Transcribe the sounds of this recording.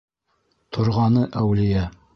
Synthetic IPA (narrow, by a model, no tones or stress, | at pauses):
t̪ʰŏɾʁɑnɤʔæwlɘ̆jæ